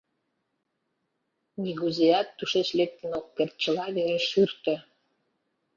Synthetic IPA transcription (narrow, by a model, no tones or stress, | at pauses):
nʲiɣuzeɑt̪ːuʃeʃlek̚t̪ə̆nokːert̪̚t͡ɕə̆lɑβeɾeʃyrt̪ə̆